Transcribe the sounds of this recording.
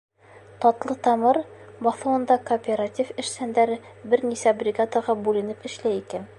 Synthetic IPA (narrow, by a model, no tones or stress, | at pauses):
t̪ɒt̪lˠɤt̪ɒmɤɾbɒθɤ̆wɤ̆nd̪ɑkoːpʲeɾatʲifɘ̆ʃsænd̪æɾɘ | bɘɾnisæbrʲɪɡat̪ɑʁɑbʉlɘ̆nɘpɘ̆ʃlæjikæn